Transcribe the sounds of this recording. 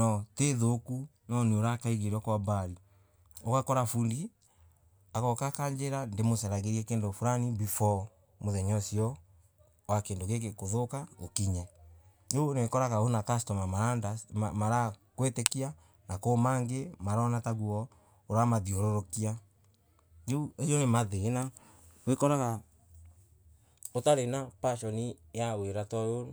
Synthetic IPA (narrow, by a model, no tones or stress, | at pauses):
nɔteðoku | nɔneoɾakaiɣeɾwakwabaɾi | okakɔɾafundi | aɣɔkakaɲd͡ʒeɾandemosɛɾaɣeɾiɛkeːndofuɾanibifɔ | moðɛɲɔsiɔ | wakendoɣekekoðokaokiɲɛ | d͡ʒonekɔɾaɣaonatastɔmamaadamaɾakwetekia | nakomaŋɡemaɾɔnataɣuɔ | oɾamaðioɾoɾokia | d͡ʒeuejonemaðena | wekɔɾaɣa | otaɾenapaʃɔnijaweɾatɔjo